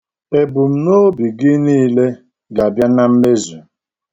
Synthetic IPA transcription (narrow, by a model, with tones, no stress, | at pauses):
e˨bʊ˨m̩˦˨no˦bi˨ɡi˦niː˦le˦ | ɡa˨bja˦na˦m̩˦me˦zu˨